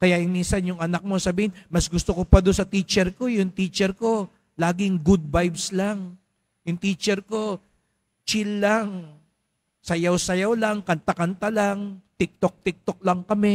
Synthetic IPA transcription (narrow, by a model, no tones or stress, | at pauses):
kɐjajʊŋminsɐnjʊŋʔɐnak̚mosɐbiːhɪnmɐsɡʊst̪okopɐd̪onsɐt̪iːt͡ʃɛɾko̞jʊŋt̪iːt͡ʃɛɾko̞ | laːɡɪŋɡud̪̚bajbslaŋ | jʊŋt̪iːt͡ʃɛɾko̞ | t͡ʃilːaŋ | sɐjawsɐjawlaŋkɐnt̪akɐnt̪alaŋt̪ɪk̚t̪ok̚t̪ɪk̚t̪ok̚lɐŋkɐmɛ